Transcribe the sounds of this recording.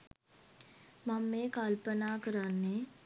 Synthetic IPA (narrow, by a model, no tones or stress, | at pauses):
mamːeːkalpənaːkəɾanːe